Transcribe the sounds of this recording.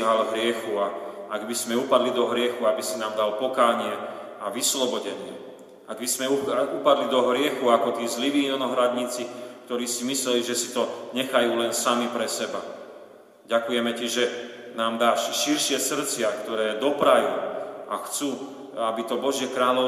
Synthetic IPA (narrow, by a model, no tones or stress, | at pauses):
ɦalɦɾɪɛxuaaɡbizmɛupad̪lid̪ɔɦɾɪɛxuabisinaːmd̪alpɔkaːɲɪɛ | aʋislɔbɔɟɛɲɪɛ | aɡbizmɛuupad̪lid̪ɔɦɾɪɛxuakɔt̪iːzliʋiːɔnɔɦɾad̪ɲit͡sik̚t̪ɔɾiːsimislɛliʒɛsi̥t̪ɔɲɛxajuːlɛnsamipɾɛsɛba | ɟakujɛmɛciʒɛnaːmd̪aːʃʃiɾʃɪɛsr̩t͡sɪakt̪ɔɾɛːd̪ɔpɾajuːʔaxt͡suː | abit̪ɔbɔʒɪɛkɾaːlɔ